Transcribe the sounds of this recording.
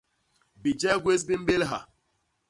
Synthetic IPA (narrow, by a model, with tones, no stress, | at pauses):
bi˨d͡ʒɛ˦ɡwe˦s̬bi˦m̩˦be˦lɦa˨